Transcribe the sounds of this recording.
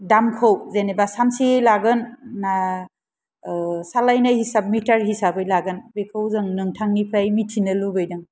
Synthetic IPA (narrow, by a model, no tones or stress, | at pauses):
damkʰawzenebasamsijlaɡɯnːa | salajnahisab̚mitaɾɦisabɯjlaɡɯnbekʰawzɯŋnɯŋtʰaŋnipʰɾajmitʰinɯlubɯjdɯŋ